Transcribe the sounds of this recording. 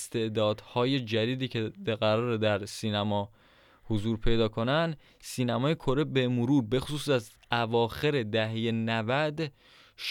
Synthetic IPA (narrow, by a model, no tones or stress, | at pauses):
st̪e̞ʔd̪ɒːd̪hɒːje̞d͡ʒæd̪iːd̪iːcʰeɣæɾɒːɾed̪æɾsiːnæmɒː | hozuːɾpʰe̞jd̪ɒːkʰo̞nænd̪ | siːnæmɒːjekʰo̞ɾe̞be̞moɾuːɾbe̞xo̥suːsæz | ævɒːxe̞ɾe̞d̪æɦejenævæd̪ | ʃ